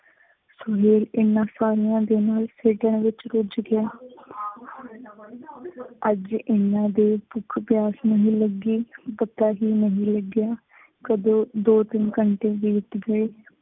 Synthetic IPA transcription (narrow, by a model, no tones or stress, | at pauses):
sʊɦeːlɪnːãːsaːɾijãːd̪eːnaːlseːʈəɳʋɪt͡ʃɾʊd͡ʒɡɪaː | əd͡ʒɪnːãːd̪eːpʊkʰbjaːsnəɦĩːləɡiːpət̪ːaːɦiːnəɦĩːləɡɪjaː | kəd̪õːd̪oːt̪ɪnkəɳʈeːʋiːt̪ɡəeː